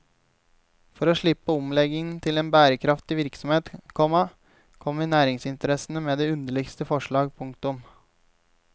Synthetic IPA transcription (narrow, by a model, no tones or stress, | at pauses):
fɔɾoːʂɭɪpːəɔmlɛɡɪŋnt̪ʰɪleːnbæːɾəkʰɾɑft̪ɪʋɪɾksɔmheːt̪kʰɔmɑ | kʰɔmːənæːɾɪŋsɪnt̪əɾɛsən̩əmeːd̪eːʉnd̪əɭɪɡst̪əfɔʂɭɑːɡpʰʊŋkt̪ʊm